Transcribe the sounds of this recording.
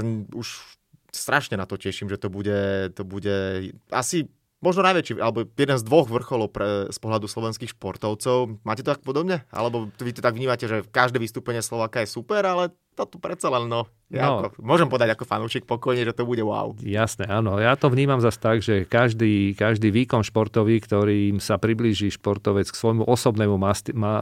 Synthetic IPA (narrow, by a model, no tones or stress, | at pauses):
uʃ | st̪ɾʔaʃɲɛnat̪ɔcɛʃimʒɛt̪ɔbuɟɛt̪ɔbuɟɛa̰si | mɔʒnɔnajʋɛt͡ʃiːʔa̰lɛbɔjɛd̪ɛnzd̪ʋɔɣʋr̩xɔlɔʊpɛspɔɦʎad̪uslɔʋɛnskiːxʃpɔɾt̪ɔʊt͡sɔʊmaːcɛt̪ɔt̪ak̚pɔd̪ɔbɲɛʔa̰lɛbɔʋit̪ɔt̪aɡʋɲiːmacɛʒɛkaʒd̪ɛːʋist̪uːpɛɲɪɛslɔʋaːkajɛsupɛɾalɛ | t̪ɔt̪ɔpɾɛt̪t͡salɛnːɔ | ja̰ɔmʊɔʒɛmpɔʋɛd̪aɟakɔfa̰nuːʃiːk̚pɔkɔjɲɛʒɛt̪ɔbuɟɛʋa̰ʊjasnɛaːnɔjaːt̪ɔvɲiːmamzast̪aɡʒɛkaʒd̪iːkaʒd̪iːʋiːkɔnʃpɔɾt̪ɔʋiːkt̪ɔɾiːmsapɾibliːʒiːʃpɔɾt̪ɔʋɛt͡sksʋɔjmuʔɔsɔbnɛːmumasma